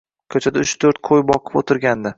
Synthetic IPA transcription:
kʲʰɵt͡ʃʰad̪aʊt͡ʃt̪ʰɵɾt̪̚qʰojbɒqʰɨ̥pot̪ʰɪɾɡʲand̪ɪ

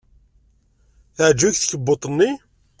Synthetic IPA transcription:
θəʕd͡ʒːuçθçəbːot̪ˤənːi

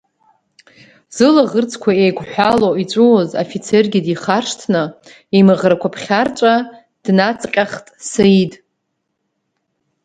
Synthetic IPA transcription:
z̥ɨlaʁərt͡sʰkʷʰaejɡʷʰʼħʷᶣaloit͡ʃʷʼuwozo̰fit͡sʰerɡʲidiχarʂtʰnɨ | imɨʁrakʷʰapʰχʲart͡ʃʷʼa | d̥nat͡sʼqʲʼaχtʼsaitʼ

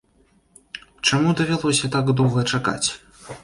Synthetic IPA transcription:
t͡ʂamud̪ɐvʲalˠɔsʲɐt̪aɡd̪ɔwɣɐt͡ʂaka̰t͡sʲ

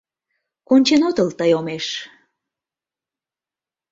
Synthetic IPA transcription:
konʲt͡ɕenot̪əlt̪əjomeʃ

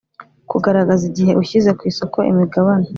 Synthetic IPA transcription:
kuɡaɾaɡaziɟiɦe̞ʔuçize̞kwiːso̞ko̞ʔḭmiɡaβana

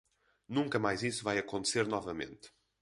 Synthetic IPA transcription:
nũŋkɐmajzisuvajɐkõnt̪ɨseɾnɔvɐmḛ̃nt̪

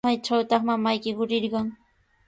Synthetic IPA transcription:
ajt͡ʃawt̪ɑχmamajkɪɢʊɾɪɾɢɑŋ

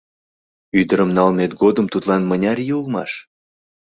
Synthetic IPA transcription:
yd̪əɾəmnɑlmet̪ɡod̪əmt̪ut̪lɑnmənʲɑrjeulmɑ̰ʃ

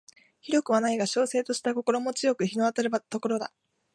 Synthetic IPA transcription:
çiɾʲo̞kɯ̟βanaiɡaɕo̞ːse̞ːt̪o̞ɕi̥t̪ako̞ko̞ɾo̞mo̞t͡sɨjo̞kɯ̟çino̞βat̪aɾɯat̪o̞ko̞ɾo̞d̪a̰

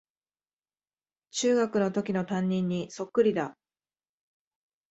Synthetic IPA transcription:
t͡ɕɨːɡakɯ̟no̞t̪o̞kʲino̞t̪ãɲ̟ːĩɲ̟ːiso̞kːɯ̟ɾʲid̪a

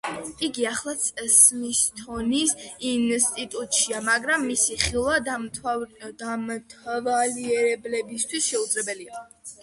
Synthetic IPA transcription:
iɡiaχlˠat̪sʼɛsmist̪ʰɔnisinst̪ʼit̪ʼut̪ʼʃiamaɡɾamːisiχilˠwa | d̪amt̪ʰavaliɛɾɛblɛbist̪ʰwisʃɛud̪zʼlɛbɛlia

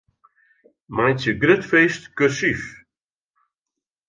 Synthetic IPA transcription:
majtjəɡrøtfeːstkøsif

